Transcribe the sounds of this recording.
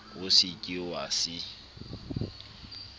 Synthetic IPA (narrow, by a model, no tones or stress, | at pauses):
ʊsɪkʼiwasɪ